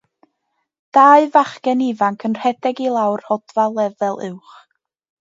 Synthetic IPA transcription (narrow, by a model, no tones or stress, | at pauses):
d̥aːɨvaχkɛnivaŋkʰənr̥ɛdɛɡilˠawrɔd̥valˠɛvɛlˠɪwχ